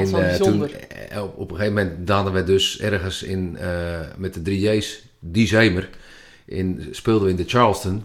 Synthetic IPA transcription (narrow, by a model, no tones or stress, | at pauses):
ɛnztunn | opxeːvəmɛntdaːdənʋədøsɛrɣənsɪ̰n | mɛt̚dədridejs | disejmər | ʔɪnspɪːlˠdəʋəɪndət͡ʃalˠstən